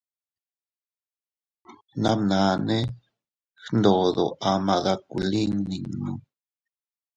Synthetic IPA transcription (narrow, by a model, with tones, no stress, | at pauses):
nã˦nã˨˧nẽ˦ | xnd̪o˨ðo̰˨ʔa˧mã˧ða˧ku˨li˦ŋni˧ŋnũ˧˨